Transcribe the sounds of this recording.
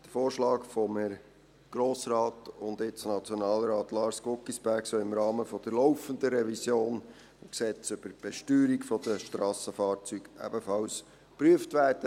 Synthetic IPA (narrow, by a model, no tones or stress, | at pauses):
d̥əfoːɾʃlɑːkfɔməɾ | ɡ̥ɾoːsɾɑːtʊnd̪ɪt͡snɑt͡sjɔnɑːlɾɑːt̪lɑːɾsɡokisb̥æɾksœlɪmɾɑːməfɔd̥̪əɾlɔʊfənd̪əɾɛvisjoːn | mksɛt͡sʏb̥əɾb̥ɛʃtyːɾikfɔd̪̥əʃtɾɑːsəfɑːɾt͡syɡʔæ̰b̥əfɑls | pɾyəftʋæːrd̥ə